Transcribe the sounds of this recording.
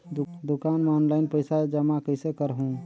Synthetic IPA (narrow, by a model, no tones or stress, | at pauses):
d̪ukanmɔnlaɪnpəjsad͡ʒəmakəsekəɾɦũ